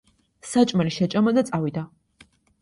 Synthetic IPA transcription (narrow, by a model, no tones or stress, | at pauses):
sat͡ʃʼmɐliʃɛt͡ʃʼɐmɐd̪ɐt͡sʼaːwid̪a